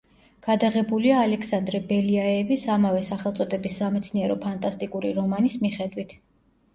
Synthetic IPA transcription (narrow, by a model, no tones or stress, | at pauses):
ɡ̥ad̪aʁɛbuliaːlɛkʰsand̪ɾɛbɛliaɛvisamavɛsaχɛlˠt̪sʼɔd̪ɛbisːamɛt̪sʰniɛɾɔpʰant̪ʼast̪ʼikʼuɾiɾɔmanismiχɛd̪wit̪ʰ